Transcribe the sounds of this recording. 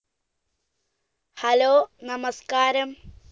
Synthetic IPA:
hɐloːnɐmɐskaːɾɐm

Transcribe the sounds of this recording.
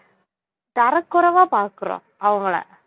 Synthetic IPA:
t̪ɐɾɐkːʊɾɐʋaːpaːɾkːɯro̰ː | ɐʋɐŋɡɐɭḛ

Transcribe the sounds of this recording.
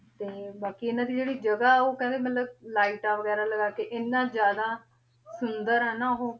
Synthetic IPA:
t̪eːbaːkiːɪnãːd̪iːd͡ʒeːɽiːd͡ʒəɡaːoːkɛ̃nd̪eːmət̪ləb̚laːiːʈaːʋəɡɛːɾaːləɡaːkeʔɪnːãːd͡ʒjaːd̪aː | sʊnd̪əɾɛːnaːɦoː

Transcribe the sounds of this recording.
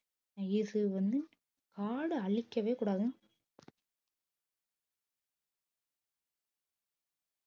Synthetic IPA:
ɪðɯʋɐnd̪ɯ | kaːɽɯɐɭɪkʲːɐʋeːkuːɽaːðɯ̃

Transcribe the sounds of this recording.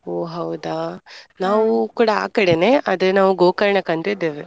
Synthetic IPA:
oːɦɐwd̪anaːʋukuːɽaa̰ːkɐɽene̞ːʔɐd̪ɐnaːʋuɡoːkɐɾɐɳɐkɐɳt̪id̪eːʋe

